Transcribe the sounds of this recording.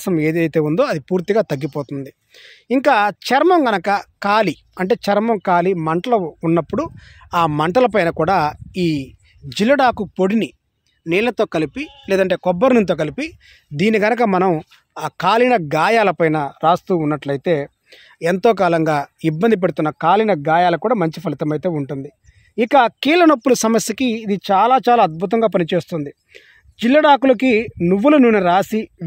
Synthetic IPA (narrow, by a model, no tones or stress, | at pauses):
sɐme̞ːd̪ɐjt̪e̞ːund̪o̞ːɐd̪ipuːɾt̪iɡaːt̪ɐɡːipoːt̪und̪i | iŋkaːt͡ʃɐɾmɐmɡɐnɐkɐkaːli | ɐɳʈe̞ːt͡ʃɐɾmɐmkaːlimɐɳʈɐlɐunːɐpːuɽuaːmɐɳʈɐlɐp̬ɐjnɐkuːɽaːiː | d͡ʒilːɐɽaːkupo̞ɽini | niːlɐt̪o̞ːkɐlipileɛːd̪ɐɳʈe̞ːkɔbːɐɾnint̪oːk̬ɐlipi | d̪iːniɡɐnɐkɐmɐnɐm | aːkaːlinɐɡaːjaːlɐpɐjnɐɾaːst̪uːunːɐʈlɐjt̪e̞ː | ent̪oːk̬aːlɐŋɡaːibːɐnd̪ip̬e̞ɽut̪unːɐkaːlinɐɡaːjaːlɐkuːɽaːmɐɲt͡ʃipʰɐlit̪ɐmɐjt̪e̞ːuɳʈund̪i | ikɐkiːlɐnɐpːuluɐsɐmɐsjɐkiːd̪it͡ʃaːlaːt͡ʃaːlaːɐd̪̚bʱut̪̬ɐŋɡaːpɐnit͡ʃe̞ːst̪und̪i | d͡ʒilːɐɽaːkulɐkinuʋːulununːuɾaːsi